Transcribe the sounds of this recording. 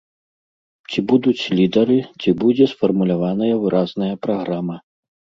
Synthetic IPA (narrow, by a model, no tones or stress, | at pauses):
t͡sʲibud̪ut͡sʲlʲid̪ɐɾɨt͡sʲibud͡zʲɛsfɐrmulʲavanɐjɐvɨɾʔaznɐjɐpɾaɣɾamɐ